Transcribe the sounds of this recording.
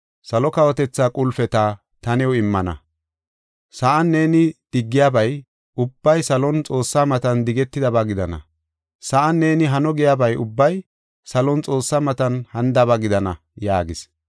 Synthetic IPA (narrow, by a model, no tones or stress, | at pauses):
sɐlɔkɐwɔt̪ɛt͡sːaːkʼʊlfɛt̪aː | t̪ɐnɛwɔɪmːɐnɐ̰ | sɐʔanːe̞ːnɪd̪̥ɪɡːɪjabɐj | ʊbːɐjsɐlɔnt͡sʼo̞ːsːaːmɐt̪ɐnd̪ɪɡɛt̪ːɪd̪ɐbaɡɪd̪ɐnɐ̰ | sɐʔɐnːe̞ːnɪɦɐnɔɡɪjabɐjʊbːɐj | sɐlɔnt͡sʼo̞ːsːaːmɐt̪ɐnhɐnd̪ɐβaɡɪd̪ɐnɐ | jaːɡɪs